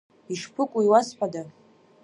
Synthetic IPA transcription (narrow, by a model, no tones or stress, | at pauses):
iʂpʰɨkʷʼuiwasħʷᶣada